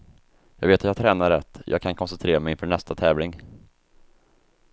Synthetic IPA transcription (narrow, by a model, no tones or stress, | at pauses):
jɑːɡveːt̪at̪jɑɡ̚t̪ʰɾɛːnaɾɛt̪ːjʔɑ̰ːɡ̚kʰankʰɔnsɛnt̪ʰɾeːɾamɛjɪnfœːɳɛst̪at̪ʰɛːvlɪŋ